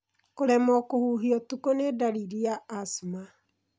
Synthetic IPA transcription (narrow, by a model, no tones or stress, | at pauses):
koɾɛmɔkohuɦiɔtukonedaɾiɾiaːsuma